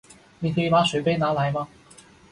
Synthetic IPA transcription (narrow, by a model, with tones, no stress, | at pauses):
ni˨˩ke˧jmaː˨˧˥sɵ˨˥pe˥jnaː˨˧˥la˨˧˥jmaː˧